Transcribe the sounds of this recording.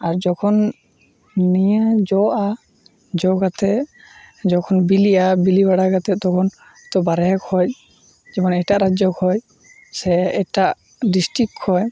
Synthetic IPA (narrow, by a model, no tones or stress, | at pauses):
aɹd͡ʒɔkʰɔn | nijad͡ʒɔʔa | d͡ʒɔɡat̪ɛ | d͡ʒɔkʰɔnbiliabilibaɽaɡat̪ɛt̪ɔkʰɔn | t̪ɔbaɾɛɛkʰɔj | d͡ʒɛmɔnɛjtaʔɾad͡ʒɔkʰɔj | sɛɛtaʔ | disʈɾikʰɔj